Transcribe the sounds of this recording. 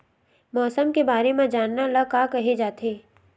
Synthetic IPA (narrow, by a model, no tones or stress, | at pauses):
mɔːsəmkebaːɾemẽd͡ʒaːnːaləɡkakɐɦed͡ʒaːt̪ʰeː